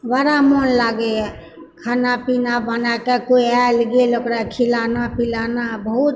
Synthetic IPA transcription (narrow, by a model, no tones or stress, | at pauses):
ʋaɾamonlaɡeɛ | kʰaːnapinabənakekoialɡelokɾakʰilanapilanabəɦut̪